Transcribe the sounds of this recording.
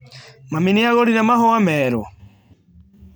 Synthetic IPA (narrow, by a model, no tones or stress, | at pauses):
maminiaɣɔɾinamaɦɔamɛɾɔ̰